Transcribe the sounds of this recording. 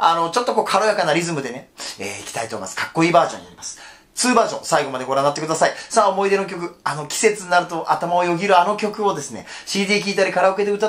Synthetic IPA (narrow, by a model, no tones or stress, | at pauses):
ano̞t͡ɕo̞t̪ːo̞ko̞ːkʰaɾo̞jakanaɾʲizɨmɯ̟d̪e̞ne̞ḛːikʲi̥t̪ait̪o̞ːima̰sɨ̥kḁkːo̞iːbaːʑõɲːina̰ɾimasɨ̥ | t͡sɨːbaːʑõ̞̰saiɡo̞mad̪eɡo̞ɾãnːat̪ːekɯd̪asaisaːomo̞id̪e̞nok̬ʲo̞kɯ̟ano̞kʲi̥se̞t͡sɨɲʲinaɾɯ̟t̪o̞ʔat̪amaojo̞ɡʲiɾɯ̟ano̞kʲo̞kɯ̟o̞d̪e̞sɨne̞̰ | ɕiːd̪ʲiːk̬ʲiːt̪aɾʲikaɾaɯ̟ke̞t̪eɯ̟t̪a